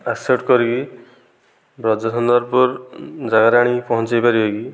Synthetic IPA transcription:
aseʈkɔɾiɡi | bɾɔd͡ʒɔsʰɔnd̪ɔɾpɔɾd͡ʒaɡaɾaɽ̃ipɔɦɔ̃nt͡ʃajpaɾibeɡi

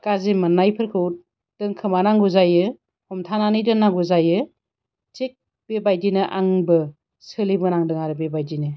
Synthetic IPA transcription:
kazemɯnːajpʰɯɾkʰɯt̚ | d̥ɯŋkʰɯmanaŋɡuzajɯ | hɔmtʰananijdɯnːaŋɡuzajɯ | tek̚ | b̥ebajdinɯʔa̰ŋbɯ | sɯlibɯnaŋdɯŋaɾɯbebajdinɯ

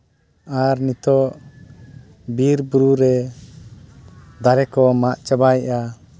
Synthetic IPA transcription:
aɾnit̪ɔʔ | biɾbuɾuɾɛ | d̪aɾɛkɔmaʔt͡ʃabaja

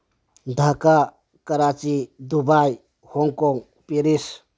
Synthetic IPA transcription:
dʱaka | kɐɾat͡ʃidubaj | hɔŋkɔŋ | piɾis

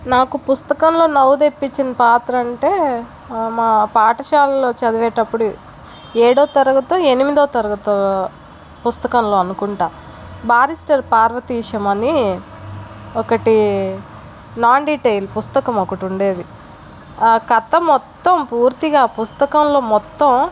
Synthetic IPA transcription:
naːkupust̪ɐkɐmlo̞ːnɐwud̪e̞pːit͡ʃːinɐpaːt̪ɾɐːɳʈe̞ː | maːpaːʈɐʃaːlɐlo̞ːt͡ʃɐd̪ɐʋɛːʈɐpːuɽu | eːɽoːt̪ɐɾɐɡɐt̪oːe̞nimid̪oːt̪ɐɾɐɡɐt̪oː | pust̪ɐkɐmlo̞ːɐnukuɳʈaː | baːɾisʈɐɾpaːɾʋɐt̪iːʂɐmɐni | ɔkɐʈi | naːɳɖiːʈejlpust̪ɐkɐmɔkɐʈuɳɖe̞ːd̪i | kɐt̪ɐmɔt̪ːɐmpuːɾt̪iɡaːpust̪ɐkɐmlo̞ːmɔt̪ːɐm

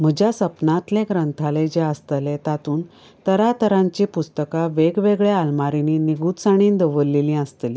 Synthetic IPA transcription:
m̤əd͡ʑjasəpnãt̪leɡɾənt̪ʰaled͡ʑeəst̪əlẽt̪at̪uːn | t̪əɾat̪əɾãɲt͡ɕepust̪əkaʋeɡʋeɡɭealmaɾininiɡuːt̪saɽ̃iːnd̪əʋəlːilĩəst̪əli

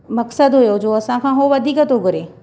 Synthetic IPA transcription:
mɐksəd̪ɦʊjod͡ʑoːɐsãkʰãɦoʋɐd̪ʱiːkət̪oɡʱʊɾeː

